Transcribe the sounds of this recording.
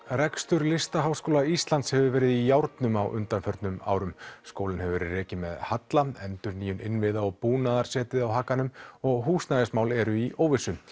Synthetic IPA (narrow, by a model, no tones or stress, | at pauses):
rɛkst̪ʏɾlɪst̪aɦawskoːwlaist̪lant̪shɛvʏvɛːɾɪðijawɾt̪nʏmawʔʏ̰nt̪anfœɾt̪nʏma̰ːwɾʏmskoːwlɪnhɛvvɛɾɪrɛːcɪmɛðhat̪laɛnt̪ʏɾniːjʏnɪnvɪðaɔɣpuːnaðaɾ̥sɛːt̪ɪðawɦaːkːanʏmɔɣɦuːsnajðɪsmaːwlɛɾʏiʔoːwvɪsʏm